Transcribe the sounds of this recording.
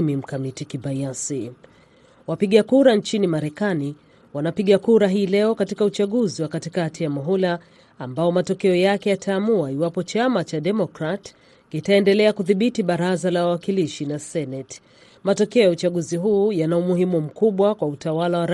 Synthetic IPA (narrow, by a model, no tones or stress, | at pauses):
mim̩kamitikibajasi | wapiɠakuɾant͡ʃinimaɾɛkani | wanapiɠakuɾaɦiːlɛɔkatikaut͡ʃaɠuziwakatikatijamɔɦɔlaː | mbaɔmatɔkɛɔjakɛjatʰaːmuaiwapɔt͡ʃamat͡ʃaɗɛmɔkɾat | kitaɛndɛlɛakuðiɓitiɓaɾazalawawakiliʃinasɛnɛt | matɔkɛɔjaut͡ʃaɠuziɦuːjanaumuɦimum̩kuɓwakwautawalawaɾ